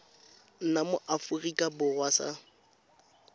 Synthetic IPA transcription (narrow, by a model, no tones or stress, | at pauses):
n̩namʊʔafʊrikʼabʊrwasa̰